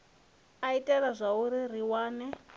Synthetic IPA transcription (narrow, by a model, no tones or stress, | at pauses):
aitʼɛraʐʷauɾiriwaːnɛ